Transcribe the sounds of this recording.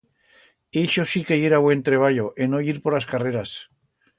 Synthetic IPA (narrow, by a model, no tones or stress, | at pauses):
eʃo̞sikeeɾaβwe̞nt̪ɾe̞β̞aʎo̞ʔeno̞iɾpo̞ɾlaskare̞ɾas